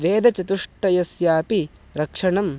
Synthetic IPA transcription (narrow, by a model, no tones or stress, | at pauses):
ʋeːd̪ɐt͡ʃɐt̪uʂʈːɐjɐsjaːpi | ɾɐkʂɐɳɐm